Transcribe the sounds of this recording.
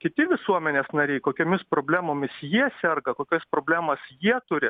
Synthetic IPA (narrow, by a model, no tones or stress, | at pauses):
kʲɪt̪ʲɪʋʲɪsuɔmʲɛnʲeːsnɐɾʲɛɪkoːkʲoːmʲɪspɾoːbʲlʲæːmoːmʲɪsjiɛsʲɛrɡɐkoːkʲospɾoːbʲlʲæːmɐsjiɛt̪ʊɾʲɪ